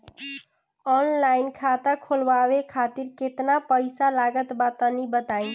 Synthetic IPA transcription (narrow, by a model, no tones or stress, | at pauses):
ɔnlainkʰat̪akʰolbawekʰat̪iɾket̪napəjsalaɡət̪bat̪ənibət̪aĩ